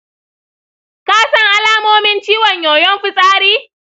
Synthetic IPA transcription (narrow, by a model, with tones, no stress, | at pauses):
kaː˦sɐ˦ŋʔa˦laː˦moː˦mɪ˦nt͡ʃiː˦wɔ˨ɲjoː˨jɔ˦mɸɪ˦sʼaː˦ɾiː˦